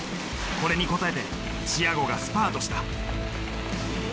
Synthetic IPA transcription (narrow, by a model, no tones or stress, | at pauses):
ko̞ɾe̞ɲ̟iko̞t̪ae̞t̪e̞̰ | t͡ɕijaɡo̞ɡasɨ̥paːt̪o̞ɕi̥t̪a